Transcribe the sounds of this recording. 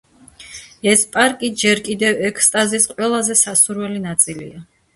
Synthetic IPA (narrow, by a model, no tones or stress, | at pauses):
ɛspʼaɾkʼid͡ʒɛɾkʼid̪ɛvɛkʰst̪ʼazisqʼwɛlˠazɛsasuɾvɛlinat̪sʼilḭa